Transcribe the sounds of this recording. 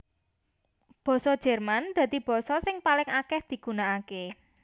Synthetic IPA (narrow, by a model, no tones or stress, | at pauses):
b̥ɔ̤sɔ̥d͡ʒ̥ɛ̤rmand̪̥ä̤d̪̥ib̥ɔ̤sɔsɪŋpalɪŋakɛhd̪̥i̤ɡ̥ṳnaːke